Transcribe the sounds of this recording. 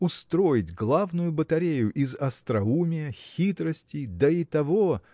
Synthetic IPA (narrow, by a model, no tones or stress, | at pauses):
ʊst̪ɾo̞jɪtʲɡlˠavnʊjʊbət̪ɐɾʲejʊʔɪzɐst̪ɾɐumʲɪjəxʲit̪ɾəsʲtʲɪjd̪əit̪ɐvo